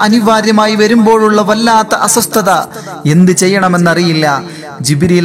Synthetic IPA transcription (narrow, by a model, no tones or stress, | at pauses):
ɐniʋaːɾjɐmaːjiʋɐɾumbo̞ːɭuɭːɐʋɐlːaːt̪ːɐʔɐsɐst̪ʰɐðɐ | e̞nd̪ɨt͡ɕe̞jːɐɳɐme̞nːɐrijilːɐ | d͡ʑibiɾi